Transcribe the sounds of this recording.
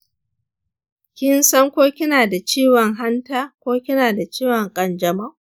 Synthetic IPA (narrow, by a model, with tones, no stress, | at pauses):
kʲɪ˦nsɐ˦ŋkʷoː˦kʲɪ˦naː˨da˨t͡ʃiː˦wɔ˨ŋɦa˦ntaː˦kʷoː˦kʲɪ˦naː˨da˨t͡ʃiː˦wɔ˨ŋkʼɐ˨nd͡ʒɐ˨ma˦ʔ